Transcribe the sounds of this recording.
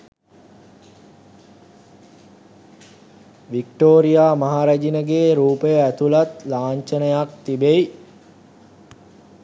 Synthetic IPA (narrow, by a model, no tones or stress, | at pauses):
ʋikʈoːɾijaːmaɦaɾæd͡ʒinəɡeːɾuːpəjəæt̪ulat̪laːɲt͡ʃənəjak̚t̪ibej